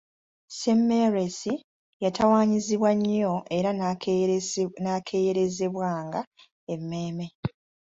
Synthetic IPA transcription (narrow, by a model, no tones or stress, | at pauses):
semːeɾesi | jatawaːɲiziβwaɲːo̞e̞ɾa | nakʰe̞ːjeɾe̞ze̞βwaːŋɡa | e̞mːe̞ːme̞